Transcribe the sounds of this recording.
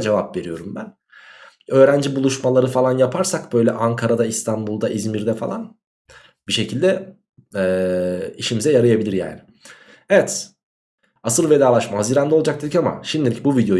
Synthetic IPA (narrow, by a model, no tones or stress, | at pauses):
d͡ʒe̞vapve̞ɾijo̞ɾumbæn | ø̞ːɾænd͡ʒibulˠuʃmalˠaɾɯfalˠanjapʰaɾsakb̥ø̞jlʲɛʔaŋkʰaɾad̪aist̪ʰanbulˠd̪aʔizmiɾd̪ɛfalˠa̰n | biʃe̞cʰilʲd̪ɛ | ɛiʃimizɛjaɾajabilʲiɾja̰ːnɪ | evɛt̪ | asɯlˠve̞d̪aːlˠaʃmaɦaziːɾand̪olˠad͡ʒak̚t̪ʰɯlicama̰ʃimd̪ilʲicbuvid̪ejo̞